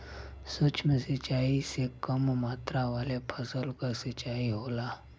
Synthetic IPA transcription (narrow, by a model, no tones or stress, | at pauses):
sot͡ʃmẽsɪt͡ʃaːisekəmmaːt̪ɾaʋaːlepʰəsəlkasɪt͡ʃaːiɦoːlaː